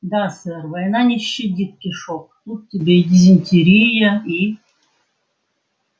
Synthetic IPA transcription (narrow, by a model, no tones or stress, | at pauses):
d̪asɛrvɐjnanʲɪɕːɪdʲit̪̚kʲiʂok̚t̪ut̪̚tʲːɪbʲedʲizʲɪnʲtʲiɾʲijəi